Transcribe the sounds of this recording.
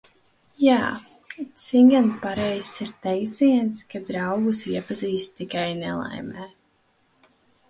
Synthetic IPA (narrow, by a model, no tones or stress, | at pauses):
jaː | t̪siŋɡanpaɾɛjsiɾt̪ɛjt̪siɛnt̪skad̪ɾɑwɡusiɛpaziːst̪t̪ːikajnɛ̰lˠa̰jmɛː